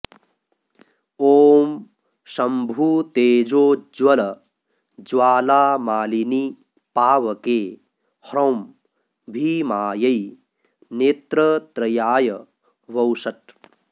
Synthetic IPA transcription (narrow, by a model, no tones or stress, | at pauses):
oːm | sɐmbʱut̪eːd͡ʒoːd͡ʒwɐlɐ | d͡ʒwaːlaːmaːlini | paːʋɐke | hɾowm | bʱimaːjɐj | neːt̪ɾɐt̪ɾɐjaːjɐ | ʋɐwsɐt̚